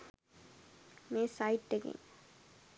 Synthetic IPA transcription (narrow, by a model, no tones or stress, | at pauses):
mẽːsaɪʈːekɪ̰̃ŋ